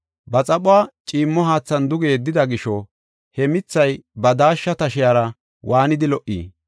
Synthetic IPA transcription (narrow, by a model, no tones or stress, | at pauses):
bɐt͡sʼɐɓʊaːt͡ʃʼiːmːɔɦaːt͡sːɐnd̪ʊɡe̞ːd̪ːɪd̪ɐɡɪʃɔ | hɛmɪt͡sːɐjbɐd̪aːʃːɐt̪ɐʃɪjaːɾɐ | wʔaːnɪd̪ɪlɔʔḭː